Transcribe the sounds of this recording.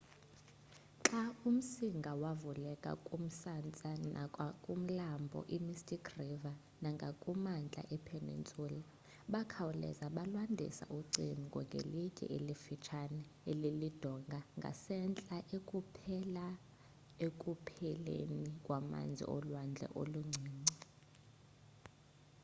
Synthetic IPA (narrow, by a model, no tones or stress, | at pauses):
ǁaum̩siŋɡʱawavulɛkʼa̰kʼum̩sant͡sʼanaakʼum̩lambʱɔ̰ʔimistʼikʰriva | naŋɡʱakʼumand͡ɮʱa̰ʔɛpʰenḭnt͡sʼuːla | ɓakʰawulɛ̰zaɓalwandʱḭsa̰ʔuǀiniŋɡʱɔ̰ŋɡʱḛlikʼḭʔelifit͡ʃʰanɛ | elilid̥ʱɔŋɡʱaŋɡʱa̰sɛnt͡ɬʼaʔekʼupʰɛla | ekʼupʰɛlḛnikʼwama̰nd͡zʱḭɔlwand͡ɮʱɛ̰ʔoluŋ͡ǀʱiːŋ͡ǀi